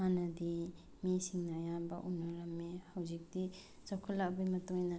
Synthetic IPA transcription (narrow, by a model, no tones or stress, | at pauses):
anɐd̪i | mesiŋnajabaʔunɔɾamːehawzik̚d̪i | zɔwkʰɔlak̚bajmɐtɔjna